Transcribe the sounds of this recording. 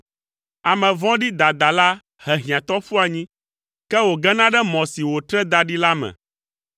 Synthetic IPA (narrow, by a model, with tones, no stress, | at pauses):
a˨mɛ̃˨vɔ̃˦ɖi˦d̪a˨d̪a˨la˦ | hɛ˨ɦĩ˨ã˨t̪ɔ˦fu˦a˨ɲĩ˦ | kɛ˦wo˨ɡɛ˦nã˦ɖɛ˦mɔ̃˨si˨wo˨t̪ɾɛ˦d̪a˦ɖi˦la˦mɛ̰̃˨